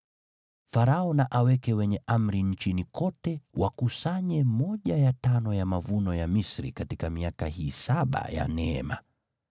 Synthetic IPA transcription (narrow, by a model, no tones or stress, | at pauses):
faɾaɔnaʔawɛkɛwɛɲɛʔam̩ɾiɲ̩t͡ʃinikɔtɛwakusaɲɛmɔʄajatanɔjamavunɔjamisɾḭkatikamiakahiːsaɓa̰ja̰nɛɛma̰